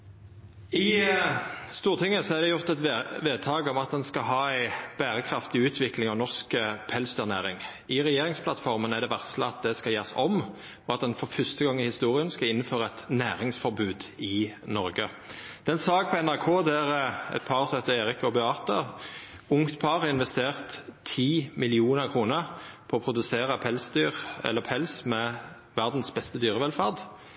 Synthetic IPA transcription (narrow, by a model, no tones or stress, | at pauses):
ɪ | st̪uːʁt̪ʰɪŋːəsɔæɾd̪ɛjʊʁt̪ɛt̪ʋeːd̪̚t̪ʰɑːɡɔmɑt̪̚d̪ɛnskɑɦɑːæɪb̥æːɾəkʰɾɑft̪ɪʉːt̪ʰʋɪklɪŋɔnɔʁskəpʰɛlsd̪œːʁnæːɾɪŋ | ɪʁɛjeːɾɪŋspʰlɑt̪fɔɾmənæd̪ɛʋæʁsləɑt̪̚d̪ɛskɑjeːʁsɔm | ɔɑt̪̚d̪ɛnfɔɾfœst̪əɡɑŋːɪhɪst̪uːɾɪənskɑɪnːəføːʁəɛt̪næːɾɪŋsfɔɾbʉːd̪ɪnɔɾɡə | d̪̥ɛnsɑːɡ̚pʰɔɛnæʁkʰoːd̪æɾɛ̰t̪̚pʰɑʁsɔhɛt̪əeːɾɪkɔbɛɑːt̪ə | ʊŋt̪pʰɑɾɑʁɪnʋɛst̪eːʁt̪ʰːiːmɪlɪuːnəɾkʰʁuːnəʁpʰɔːpʰɾʊd̪ʉseːʁəpʰɛlsd̪yːʁɛ̰lːəpʰɛlsmɛ | ʋæʁd̪n̩sbɛst̪əd̪yːʁəʋɛlfɑʁd̪